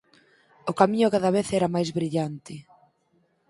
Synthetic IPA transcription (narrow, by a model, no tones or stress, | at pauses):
ʊkamiɲʊkaðaβeθɛɾɐmajzβɾiʎant̪ɪ